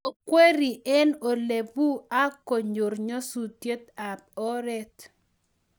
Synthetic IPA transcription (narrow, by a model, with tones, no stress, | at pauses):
o˨kwe˦ɾi˨ʔɛ˦no˨le˨bu˦a˦ko˨ɲo˨rɲo˦su˨tje˦t̪a˨p̚ɔ˦ɾɛ˦t̪